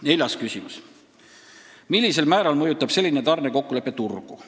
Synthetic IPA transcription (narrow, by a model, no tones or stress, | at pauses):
ne̞lʲjɑskysʲimus | milʲːise̞lmæːɾɑlmɤjut̪ːˑɑb̥se̞lʲːinet̪ɑrne̞ko̞kːule̞pːˑe̞t̪urɡ̥ṵ